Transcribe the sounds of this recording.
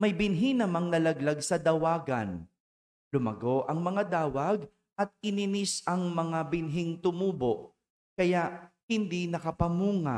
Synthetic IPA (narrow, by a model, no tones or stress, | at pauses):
mɐjbɪnɦinɐmaŋnɐlɐɡlaɡsɐd̪ɐwaːɡɐ̰n | lʊmɐ̰ɡo̞ʔɐŋmɐŋad̪aːwɐɡ̚ | ʔɐt̪̚ɪnɪnisʔɐŋmɐŋabɪnɦiŋt̪ʊmuːboʔ | kɐjaʔhɪnd̪inɐkɐpɐmuːŋa̰